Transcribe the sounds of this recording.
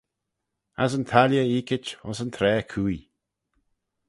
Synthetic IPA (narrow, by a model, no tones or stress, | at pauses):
a̰zənt̪ʰaljəiːkɪt͡ʃʊ̰nsənt̪ʰɾɛːkʰuːi